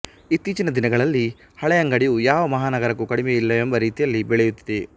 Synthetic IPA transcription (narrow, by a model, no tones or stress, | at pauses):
it̪ːiːt͡ʃinɐd̪inɐɡɐɭɐlːi | hɐɭɛjɐŋɡɐɽijujaːʋɐmɐɦaːnɐɡɐɾɐkːukɐɽimeilːɐembɐɾiːt̪ijɐlːibɛɭɛjut̪ːid̪e